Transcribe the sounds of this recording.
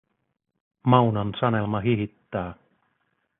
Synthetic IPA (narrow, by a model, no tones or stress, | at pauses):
mɑwnɑnsɑne̞lmɑɦiɦit̪ːæː